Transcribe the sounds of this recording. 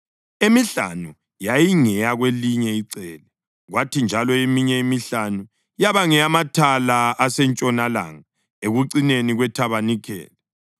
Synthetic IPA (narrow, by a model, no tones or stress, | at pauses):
emiɬa̰nu | jajiŋɛjaɣweliɲɛiǀɛːlɛ | ɣwatʰind͡ʒʱalɔemiɲɛimiɬanu | jaβaŋɛamatʰalaːsɛnt͡ʃʼɔnala̰ŋa | eɣuǀineniɣwɛtʰaβanikʰɛ̰ːlɛ